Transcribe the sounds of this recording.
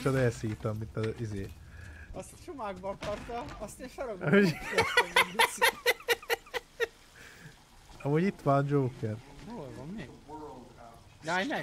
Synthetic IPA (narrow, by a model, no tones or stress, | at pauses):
t͡ʃɒd̪ɛlsiːt̪ɛmːint̪ɒizeː | ɒst͡ʃomaːɡbɒkɒrt̪ɒɒst̪enʃɔɾoɡɦo | ɒmuːɟit̪ʋaːnd͡ʒoːkɛrolvɒmːeːɡ | jajnɛ